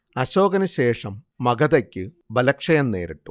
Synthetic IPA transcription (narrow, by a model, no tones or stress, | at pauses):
ɐɕo̞ːɡɐnɐɕe̞ːʂɐmːɐɡɐðɐkʲːɨ | bɐlɐkʂɐjɐnne̞̰ːɾiʈːu̥